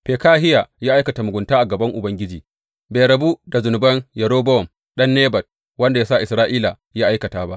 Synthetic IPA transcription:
peː˨kaː˦ɦɪ˦ja˨jaː˦ʔa˦kɐ˨ta˨mʊ˨ɡʷʊ˨ntaː˦ʔa˨ɡɐ˨bɐ˦ŋʔʊ˨bɐ˦ŋɡʲɪ˦d͡ʒiː˨ | beː˨ɾɐ˨bu˦da˨zʊ˨nʊ˨bɐ˦njɐ˨ɾoː˦bɔ˦ɔ˨m | ɗɐ˦nːeː˦bɐ˨t̚ | wɐ˦nda˨jaː˦sa˦˨ʔɪ˨sɾaː˦ʔiː˦la˨ | jaː˦ʔa˦jkɐ˨taː˦ba˦ʔ

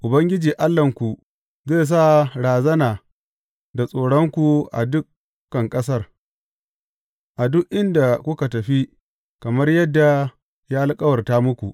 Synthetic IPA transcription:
ʔʊ˨bɐ˦ŋɡʲɪ˦d͡ʒiː˨ʔa˦lːɐ˨ŋkʷu˨ | zeː˦˨s̬a˦˨ɽaː˨zɐ˦naː˨ | da˨sʼoː˨ɽɔ˦ŋkʷu˨ʔa̰˨dʊ˦k | kːɐ˨ŋkʼɐ˦s̬ɐ˦r | ʔa˨dʊ˦ʔʔɪ˦nda˨kʷʊ˦ka˨tɐ˨ɸi˦ | kɐ˨mɐ˦rjɐ˦dːa˨ | jaː˦ʔa˦lkʼɐ˦wɐ˨rtaː˦mʊ˦kʷu˨

